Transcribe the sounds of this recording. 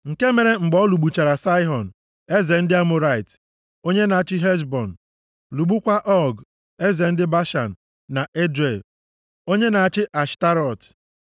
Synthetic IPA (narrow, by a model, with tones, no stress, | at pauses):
ŋ̩˨ke˦me˨ɾe˨ŋ͡m̩˨ɡ͡bɔ˦lu˨ɡ͡bu˨t͡ʃa˨ɾa˨sa˦ɪ˦ɦɔ˨n̩˨ | e˦ze˨n̩˦dɪ˦a˦mʊ˨ɾa˦ɪ˨t | o˦ɲe˦na˨a˨t͡ʃɪ˦ɦe˦d͡ʒbɔ˨n̩˨ | lu˨ɡ͡bu˦kʷa˦ʔɔ˦ɡ | e˦ze˨n̩˦dɪ˦ba˦ʃa˨n̩˨ | na˨ʔe˦dɾe˨l | o˦ɲe˦na˨a˨t͡ʃɪ˦ʔa˨ʃta˦ɾɔ˨t